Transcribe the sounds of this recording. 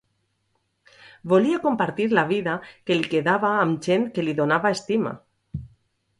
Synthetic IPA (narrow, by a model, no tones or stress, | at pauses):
boliakompaɾt̪iɾlaβ̞iðakelikeðaβaːmʒent̪keliðonaβaest̪ima̰